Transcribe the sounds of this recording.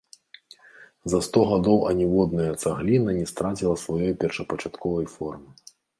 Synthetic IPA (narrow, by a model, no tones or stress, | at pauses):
zɐst̪ɔɣad̪ɔwʔɐnʲɛvɔd̪̚nɐjɐt̪saɣlʲinɐnʲɛst̪ɾat͡sʲilˠɐsvajɔjpʲɛrʂɐpɐt͡ʂat̪kʰɔvɐjfɔrmɨ